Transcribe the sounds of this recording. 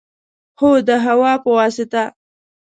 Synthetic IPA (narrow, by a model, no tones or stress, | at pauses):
hod̪əɦawɑpəwɑːsɪt̪a